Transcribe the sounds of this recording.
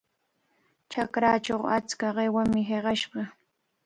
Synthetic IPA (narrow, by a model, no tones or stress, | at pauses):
t͡ʃakɾaːt͡ʃoχat͡skaɢewamɪɦeɢɑʃɢɑ